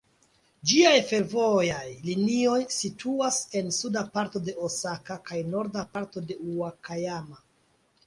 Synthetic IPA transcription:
d͡ʒiajfe̞ɾvo̞jajlinio̞jsitʰuase̞nsudapaɾto̞de̞osakakajno̞ɾdapaɾto̞de̞uakajama

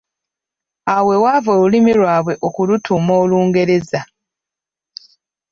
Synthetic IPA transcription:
awe̞wavoːlulimiɾwaːβwe̞ʔokulutʰumo̞ːluːŋɡe̞ɾe̞za

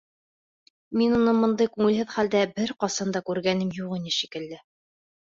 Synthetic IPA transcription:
minunɤmŏnd̪ɤjkʉŋɘ̆lɦɘðχæld̪æbɘɾqɑsɑnd̪ɑkʉɾɡænɘmjuʁinɘʃikɘ̆lːɘ

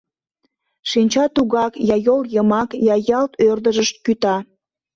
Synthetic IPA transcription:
ʃinʲt͡ɕɑt̪uɣɑkjɑjoljəmɑkjɑjɑlt̪ørd̪əʒəʃt̪̚kyt̪ɑ

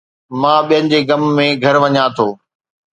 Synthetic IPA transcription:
mãːɓijə̃nɪ̆d͡ʑeːɡɐmːẽɡʱɐɾʋɐɲãt̪ʰoː

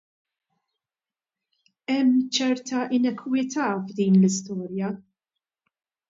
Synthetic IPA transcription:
ɛmːt͡ʃɛɾt̪ɐʔɪnɛkʰwɪt̪ʰɐːvd̪iːnlɪst̪ɔːɾjɐ

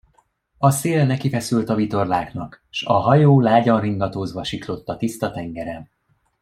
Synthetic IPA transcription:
ɒseːlnɛkifɛsylt̪ɒvit̪o̞rlaːknɒk | ʃɒɦɒjoːlaːɟɒnriŋɡɒt̪oːzbɒʃiklo̞t̪ːɒt̪ist̪ɒt̪ɛŋɡɛɾɛ

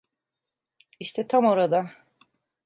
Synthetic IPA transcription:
iʃt̪ʰɛt̪ʰamo̞ɾad̪a

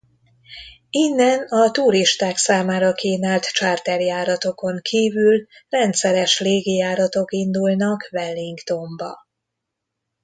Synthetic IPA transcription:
inːɛnɒt̪uɾiʃt̪aːksaːmaːɾɒkiːnaːlt̪t͡ʃaːrt̪ɛrjaːɾɒt̪o̞ko̞ŋkʰiːvylrɛnt̪sɛɾɛʃleːɡijaːɾɒt̪o̞kind̪ulnɒkvɛlːiŋkt̪o̞mbɒ̰

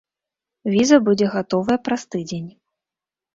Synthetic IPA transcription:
vʲizɐbud͡zʲɛɣat̪ɔvɐjɛpɾast̪ɨd͡zʲenʲ

